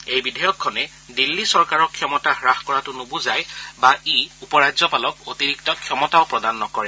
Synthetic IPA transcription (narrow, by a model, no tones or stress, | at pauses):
ejbidʱɛjɔkʰːɔnɛ | dilːisɔɹkaɹɔkʰːijɔmɔtaxɹaxkɔɹatʊnobʊzajbaiupɔɹazɔpalɔkotiɹik̚tɔkʰjɔmɔtaʊpɹɔdanːɔkɔɹɛ